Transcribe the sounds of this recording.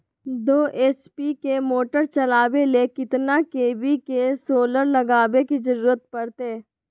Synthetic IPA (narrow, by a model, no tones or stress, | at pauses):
d̪oːʔeːspikemoːʈəɾt͡ʃɐlaːʋelekɪt̪nakeːbikesoːləɾlɐɡaːbekizɐɾuːɾət̪̚pɐɾt̪eː